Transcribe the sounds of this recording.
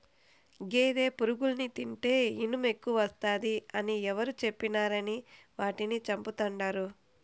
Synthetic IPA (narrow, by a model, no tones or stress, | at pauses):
ɡeːd̪e̞ːpuɾuɡulnit̪iɳʈe̞ːinume̞kːuʋɐʋɐst̪aːd̪iɐniɛʋɐɾut͡ʃe̞pːinaːɾɐni | ʋaːʈinit͡ʃɐmput̪ɐɳɖaːɾu